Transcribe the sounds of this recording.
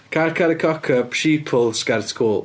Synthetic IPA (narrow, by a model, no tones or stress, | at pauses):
kʰarkʰaɾəkʰɔkʰəpʃiːpʰɔlˠskɛɾtkʰuːlˠ